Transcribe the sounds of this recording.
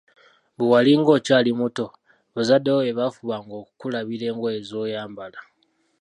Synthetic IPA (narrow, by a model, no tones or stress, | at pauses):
βuwaliŋɡo̞caːlimuto̞ | βozadewoeβafuβaŋɡokukulaβiɾe̞ːŋɡwoeezo̞ːjaːmbala